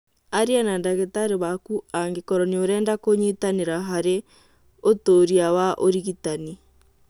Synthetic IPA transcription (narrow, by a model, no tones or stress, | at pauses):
aɾianandaɣetaɾeβakuaŋɡekɔɾɔnioɾɛːndakoɲitaneɾaɦaɾe | otoːɾiawaʔoɾiɣitani